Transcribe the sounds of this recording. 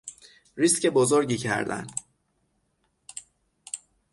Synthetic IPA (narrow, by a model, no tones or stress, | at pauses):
riscebozoɾɟiːcʰæ̰ɾd̪æ̰n